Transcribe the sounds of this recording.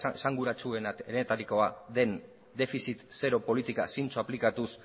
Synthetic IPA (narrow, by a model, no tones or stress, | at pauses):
saŋɡuɾat͡sue̞nɾeet̪aɾiko̞aðe̞n | d̪e̞fisit̪se̞ɾo̞po̞lit̪ika̰sint͡soaplikat̪us